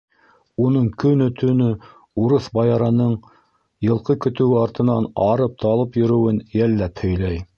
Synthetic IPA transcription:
unɤɴkɵ̆nɵt̪ʰɵ̆nɵ | uɾɤθbɑjɑɾɑnɤɴ | jɤ̆lˠqɤkɵ̆t̪ɘ̆wɘɑɾt̪ɤ̆nɑnɑɾɤp̚t̪ʰɑlˠɤpjɵ̆ɾɵ̆wɘnjælːæphɵ̆jlæj

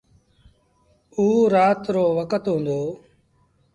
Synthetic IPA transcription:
uːɾaːt̪ɾoːʋəkət̪ɦũːnd̪oː

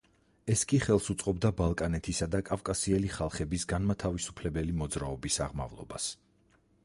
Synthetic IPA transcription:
ɛskʼiχɛlˠsut̪sʼqʼɔbd̪abalˠkʼanɛt̪ʰisad̪akʼafkʼasiɛliχalˠχɛbisɡanmat̪ʰavisu̥pʰlɛbɛlimɔd̪zɾaɔbisa̰ʁma̰vlˠɔ̰bas

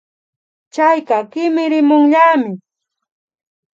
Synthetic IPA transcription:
t͡ʃajkɑkɪmɪɾɪmʊŋʎaːmɪ

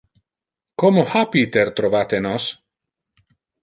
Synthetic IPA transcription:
komohapit̪eɾt̪ɾovat̪enos

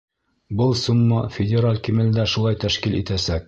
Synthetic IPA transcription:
bɤlˠsumːɑfʲɪdʲɪɾalʲkimɘ̆ld̪æʃulˠɑjt̪æʃkilʔit̪æsæk̚

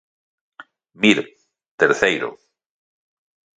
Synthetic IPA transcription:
miɾ | t̪eɾθejɾo̰

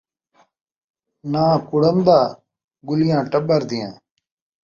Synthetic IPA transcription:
nãːkʊɽənd̪aː | ɡʊlɪjãːʈəɓəɾd̪ɪjãː

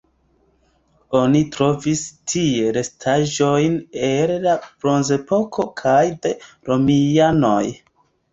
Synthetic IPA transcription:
o̞nitɾo̞vistʰieɾe̞stʰaʒo̞jnellabɾo̞nze̞po̞kʰo̞kʰajde̞ | ɾo̞miano̞j

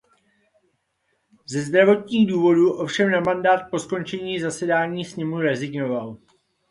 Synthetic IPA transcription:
zɛzd̪ɾavo̞t̪ɲiːɣduːvo̞duʔo̞fʃɛmnamandaːt̪̚po̞sko̞nt͡ʃɛɲiːzasɛdaːɲiːsɲɛmuɾɛzɪɡno̞val

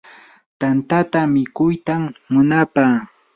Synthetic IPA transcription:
t̪ant̪at̪amɪkʊjt̪amːʊnapaː

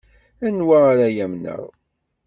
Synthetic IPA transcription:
ænwaːɾajæmnə̰ʁ

